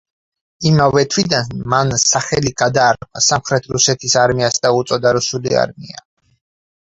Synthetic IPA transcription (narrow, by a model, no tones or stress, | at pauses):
imavɛt̪ʰwid̪anmansaχɛliɡad̪aːɾqasamχɾɛt̪ʰɾusɛt̪ʰisaɾmiasd̪aut̪sʼɔd̪aɾusulia̰ɾmia